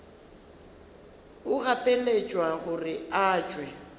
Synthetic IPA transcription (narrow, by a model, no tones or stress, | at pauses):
ʊɣapʼelet͡ʃʼwaɣʊrɪaːt͡ʃʼwɛ